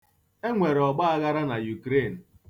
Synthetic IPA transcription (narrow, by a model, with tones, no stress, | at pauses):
e˦ŋʷe˨ɾɔ˨ɡ͡ba˦a˦ɣa˦ɾa˦na˨ju˨kɾe˦˨n̩˨